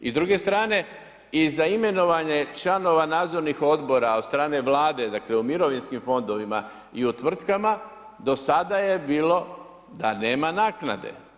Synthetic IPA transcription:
izd̪ɾuɡe̞st̪ɾaːne̞ | izaime̞no̞ʋaɲe̞t͡ʃlano̞ʋanaːd̪zo̞ɾnixo̞d̪bo̞ɾaod̪st̪ɾaːne̞ʋlaːd̪e̞d̪akle̞umiɾo̞ʋinskimfo̞nd̪o̞ʋima | iut̪ʋr̩t̪kama | d̪o̞sad̪aje̞biːlo̞ | d̪ane̞ːmanaːkna̰d̪e̞̰

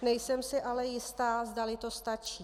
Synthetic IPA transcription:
nɛjsɛmsɪʔalɛjɪst̪aːzdalɪt̪o̞st̪at͡ʃiː

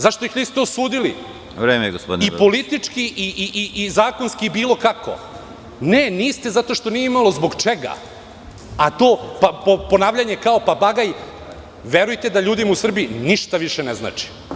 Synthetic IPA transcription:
zaʃt̪oixʋiːst̪eosuːd̪ilḭ | ɾeːmeɡospod̪ipo̞lit̪it͡ʂkiʔiʔiʔiʔizaːko̞nskiːbiːlˠo̞kako̞̰ | neniːst̪e̞zat̪o̞ʃt̪o̞nijeimalo̞zbo̞ɡt͡ʃeɡa̰ | at̪o̞ːpapoponaːʋʎaɲekaopabaɡaj | ʋe̞ɾujt̪ed̪aʎuːd̪imausr̩biiniʃt̪aʋiʃenezna̰ːt͡ʃi̥

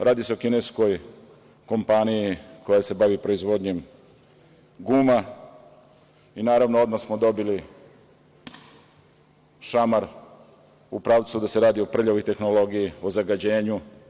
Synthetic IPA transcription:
ɾʔaːd̪ise̞okinesko̞j | ko̞mpanijiko̞jase̞baʋipɾo̞izʋo̞d̪ɲe̞m | ɡuːma | inaːɾaʋnoo̞d̪massmod̪o̞bili | ʃamaɾ | upɾaːʋt̪sud̪ase̞ɾaːd̪io̞pr̩ʎoʋojt̪e̞xno̞lo̞ɡijiozaɡad͡ʑe̞ːɲu

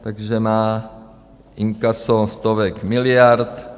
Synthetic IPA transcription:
t̪aɡʒɛmaː | iŋkasost̪ovɛkmɪlɪjaɾt̪

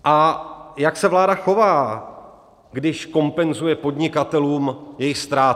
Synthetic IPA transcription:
ʔajaksɛvlaːdaxo̞vaː | ɡdɪʃko̞mpɛnzujɛpo̞dɲɪkat̪ɛluːmjɛjɪxst̪ɾaː

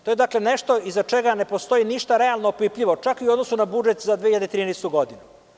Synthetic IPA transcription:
t̪o̞jed̪akle̞neʃt̪o̞izat͡ʃeɡane̞post̪o̞iniʃt̪aɾe̞alˠnoopipʎiʋo̞t͡ʃakiuod̪nosunabud͡ʒet̪zad̪ʋehiʎad̪et̪ɾiːnɛjst̪uɡo̞d̪inu

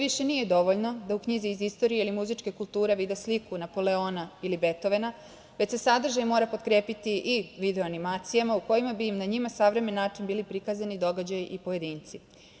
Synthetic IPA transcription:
ʋiʃe̞nije̞d̪o̞ʋo̞ʎno̞d̪aukɲiziːzist̪o̞ɾijeilimuzit͡ʂke̞kulˠt̪uːɾe̞ʋid̪eslikunapo̞le̞o̞nailibe̞t̪o̞ʋe̞na | ʋet͡ɕsesad̪r̩ʒajmo̞ːɾapo̞t̪kɾeːpit̪iʔiʋid̪e̞oanimaːt̪sijamauko̞jimabiːmnaɲimasaʋɾe̞menːaːt͡ʂinbiːlipɾikazanid̪o̞ɡad͡ʑajʔipoje̞d̪iːnt̪si

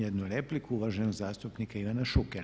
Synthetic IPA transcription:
jed̪nuɾeplikuuʋaʒenoɡzaːst̪upnikaiʋanaʃukeɾ

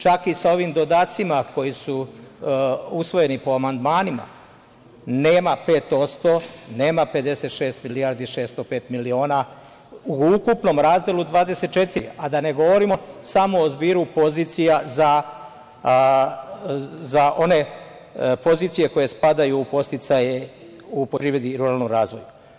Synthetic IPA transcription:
t͡ʃakisao̞ʋimd̪o̞d̪at̪simako̞jisu | usʋo̞je̞nipo̞amand̪maːnima̰ | neːmape̞ːt̪o̞t̪st̪o̞ne̞ːmape̞d̪e̞se̞t̪ʃe̞ːst̪milijaɾd̪iʃe̞ːst̪o̞pe̞ːt̪milio̞ːna | uukupno̞mɾaːzd̪elud̪ʋaːd̪e̞se̞t̪̚t͡ʃe̞t̪iɾiad̪ane̞ɡo̞ʋo̞ɾimo̞samoːzbiːɾupo̞ziːt̪sijaza | zaʔo̞ne̞ | po̞ziːt̪sije̞ko̞je̞spad̪ajuːpo̞st̪it̪saje | uppɾiʋed̪iɾuɾalnomɾaːzʋo̞ju

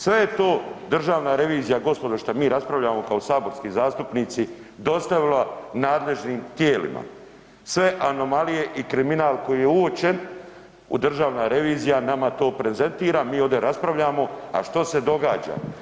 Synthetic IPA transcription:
sʋe̞jet̪o̞ːd̪r̩ʒaːʋnaɾe̞ʋiːzijaɡo̞spod̪aʃt̪amiːɾaspɾaʋʎaːmo̞kao̞saːbo̞ɾskizaːst̪upniːt̪si | d̪o̞st̪aʋilanaːd̪le̞ʒniːmt̪jeːlḭma̰ | sʋe̞ʔano̞malije̞ʔikɾiminaːlˠko̞jiːjeuot͡ɕe̞n | ṵd̪r̩ʒaːʋnaɾe̞ʋiːzijanamat̪o̞ːpɾe̞ze̞nt̪iːɾamiːo̞ʋd̪e̞ɾaspɾaʋʎaːmo̞a̰ʃt̪o̞se̞d̪o̞ɡa̰ːd͡ʑa̰

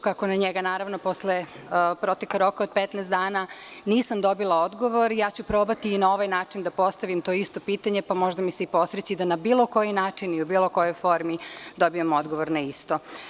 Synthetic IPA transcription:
kakonaɲeɡanaːɾaʋnopo̞sle | pɾot̪ekaɾo̞kaod̪̚pet̪naːst̪d̪aːnaniːsamd̪o̞bilˠao̞d̪ɡo̞ʋo̞ɾijaːt͡ɕupɾoːbat̪iːnao̞ʋajnaːt͡ʂind̪apo̞st̪aʋimt̪oist̪o̞piːt̪aɲepamo̞ʒd̪amiseipo̞sɾet͡ɕid̪anabiːlo̞ko̞jinaːt͡ʂiniubiːlo̞ko̞jo̞jfo̞ɾmid̪o̞biamo̞d̪ɡo̞ʋoɾnaist̪o̞

